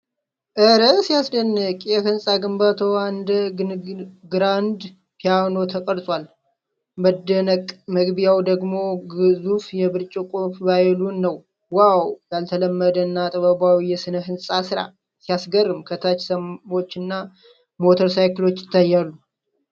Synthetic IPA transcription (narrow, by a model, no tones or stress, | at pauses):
ʔɨɾəsijasdənːɨkʼjɛhɨnsʼaɡɨmbat̪ʰəwaɨnd̪ə | ɡɾand̪ | pʰijano̞t̪ʰəkʼəɾsʼwal | məd̪ənəkʼməɡbijawd̪əɡmo̞ɡɨzufjɛbɨɾt͡ʃʼikʼofbajɛlunːəw | wawjalt̪ʰələmːəd̪ənːat̪ʼəβəbawijɛsɨnəɦɨnsʼasɨɾa̰ | sijasɡərːɨmkʰət̪ʰat͡ʃsəmmo̞t͡ʃːɨnːa | mo̞t̪ʰəɾsajklo̞t͡ʃːjɪt̪ʰːajːalːu